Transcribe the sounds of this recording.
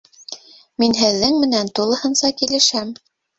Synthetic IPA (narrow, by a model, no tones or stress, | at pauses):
minɦɘ̆ðːɘŋmɘ̆nænt̪ulˠɤ̆hɤ̆nsɑkilɘ̆ʃæm